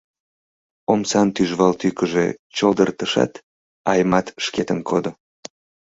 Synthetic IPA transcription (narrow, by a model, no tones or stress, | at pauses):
omsɑnt̪yʒβɑlt̪ykəʒḛt͡ɕold̪ərt̪əʃɑ̰t̪ | ɑjmɑt̪ʃket̪ənkʰod̪o